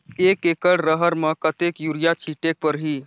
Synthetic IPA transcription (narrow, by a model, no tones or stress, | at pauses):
ekekəɽɾəɦəɾməkət̪ekjuɾijat͡ʃʰiʈek̚pəɾɦi